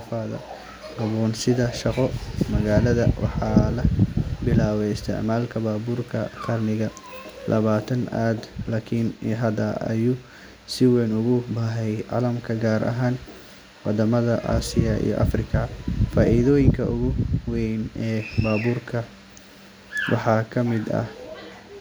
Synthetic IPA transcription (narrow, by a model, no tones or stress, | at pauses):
faːðɐ̰ | ɡɐβɔːnsɪðɐʃɑqɔmɐɣaːlɐðɐwɑ̰ħɑːlɐbɪlaːwɛɪst̪ʰɛ̰ʕmaːlkʰɐbaːbuːrkʰɐk̪ʰɐrnɪɣɐ | lʔɐ̰βaːt̪ʰɐnaːd̪laːkʰɪnɦɐd̪ɐɐ̰juː | sɪwɛjnʊɣʊbaɦɛjʕɑ̰lɐmkʰɐɡaːɾɐ̰ɦaːn | wɑd̪ɐmɐðɐʔa̰ːsɪjɐʔḭjɔ̰ʔɐ̰frɪkʰɐfaːʔiðɔːjɪŋkʰɐʔʊɣʊwɛjnɛːbaːβuːrkʰɐ | wɑħɑːkʰɐmɪd̪ɐ̰h